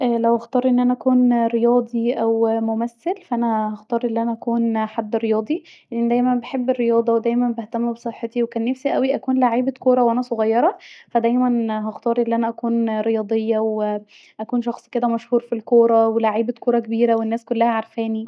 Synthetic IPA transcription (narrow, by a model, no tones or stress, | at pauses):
ʔælæwʔɑxt̪ˤɑːɾˤʔenːʔænæʔækuːnɾejɑːd̪ˤiʔæwmomæsːelfæʔænæhɑxt̪ɑːɾˤʔelːiʔænæʔækuːnħad̪ːɾejɑːd̪ˤiʔeʔenid̪æjmænbeħebːerːejɑːd̪ˤɑwed̪æjmænbeht̪æmːubesˤeħːet̪iwekæːnːæfsiʔæwiʔækuːnlaʕiːbekoːɾˤɑwʔænæsˤoɣɑjːɑɾˤɑfæd̪æjmænɦɑxt̪ˤɑːɾˤʔelːiʔænæʔækuːnɾejɑːd̪ˤejːɑw | ʔækuːnʃɑxsˤked̪æmæʃhuːɾfilkoːɾˤɑwelaʕiːbekoːɾˤɑkebiːɾæwenːæːskolːæhæʕaɾˤfæːni